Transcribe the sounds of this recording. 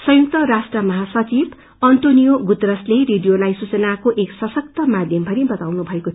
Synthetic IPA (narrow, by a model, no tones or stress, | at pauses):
sʌ̃juk̚t̪ʌɾasʈrʌmʌɦasʌt͡sib | ʌnt̪onijoɡut̪rʌsleɾiɖijolajsut͡sʌnakoʔeksʌsʌk̚t̪ʌmad̪ʱjʌmbʱʌɾibʌt̪awnubʱʌeko